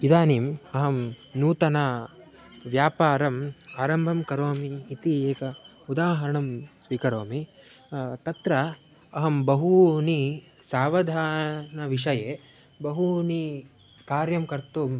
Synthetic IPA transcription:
id̪aːniːmɐɦɐm | nuːt̪ɐna | ʋjaːpaːɾɐmaːɾɐmbʱɐmkɐɾoːmiːt̪ieːkɐ | ud̪aːɦɐɾɐɳɐmsʋiːkɐɾoːmi | t̪ɐt̪ɾɐ | ɐɦɐmbɐɦuni | saːʋɐd̪ʱaːnɐʋiʂ̬ɐjeː | bɐɦuni | kaːɾjɐmkɐɾt̪um

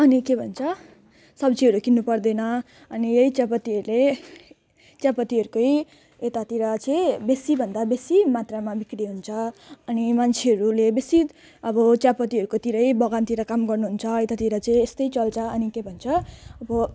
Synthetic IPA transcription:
ʌnikebʱʌnt͡sʰʌ | sʌbd͡ziɦʌɾukinːupʌrd̪ʌjnʌ | ʌnijejt͡sjapʌt̪iʌɾle | t͡sjapʌt̪iɦʌɾukoj | et̪at̪iɾʌt͡sʌĩbesibʱʌnd̪abesimat̪ramabikɾiɦunt͡sʰʌʌnimant͡sʰeʌɾulebesit̪ | ʌbʌt͡sjapʌt̪iɦʌɾukot̪iɾʌjbʌɡant̪iɾʌkamɡʌrnuɦunt͡sʰʌet̪at̪iɾʌt͡sʌĩest̪ʌjt͡sʌlt͡sʰʌʌnikebʱʌnt͡sʰʌʌbʌ

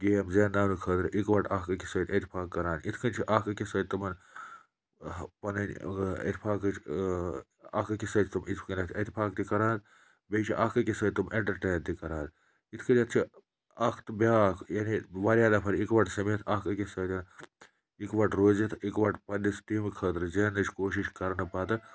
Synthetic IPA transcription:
ɡeːjɐmzeːnd̪aːnukʰəːd̪ɾʔikʋɐʈaːkɐkisɐt̪ɐt̪ipʰaːkːɐɾaːnit̪ʰkʰɐnt͡ʃʰiʔaːkɐkisɐːt̪̚t̪umɐn | pɐnɐnɐ̰t̪ipʰaːkt͡ʃʰ | a̰ːkɐkisɐt͡ʃt̪umit̪ʰkɐnʲɐt̪ʰɐt̪ipʰaːk̚t̪ikɐɾaːnt̪ | bet͡ʃʰiʔaːkɐkisɐt̪umʔeɳʈɐɾʈeːnt̪ikɐɾaːd̪ | it̪ʰkʰɐnʲɐt̪̚ʰt͡ʃʰi | ɐkʰt̪bʲaːkʰjaniʋɐɾjaːlɐpʰɐɾikʋɐʈsɐmet̪ʰaːkɐkʲisɐt̪ɐn | ikʋɐʈɾoːzit̪ʰikʋɐʈpɐnːist̪imikʰɐːt̪ɾɨzeːnɐt͡ʃʰkoːʃ̬iʃkɐɾnɨpaːt̪ɨ

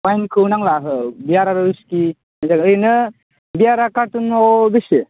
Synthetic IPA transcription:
wajnkʰɯwnaŋlaɦɯbiaɾaɾɯɾuski | mazaŋɯjnɯ | bijaɾakaɾtunɔbɯsɯ

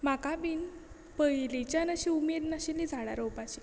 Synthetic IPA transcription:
makabiːn | pəjlit͡ɕjanəɕiumed̪naɕinːid͡zʱaɽa̰ɾowpat͡ɕi

